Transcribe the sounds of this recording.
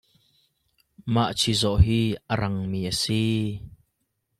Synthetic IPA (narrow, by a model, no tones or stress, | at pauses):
maʔt͡sʰizɔʔɦiːʔəɾɐŋmiːʔəsi